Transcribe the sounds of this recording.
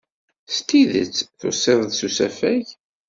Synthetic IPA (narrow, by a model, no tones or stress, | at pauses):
st̪iðə̰t͡sːθʊ̰sˤːeðˤðsusæfæʝ